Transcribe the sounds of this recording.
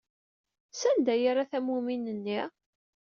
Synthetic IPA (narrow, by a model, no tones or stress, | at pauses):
sænd̪æjaɾaθæmuminənːi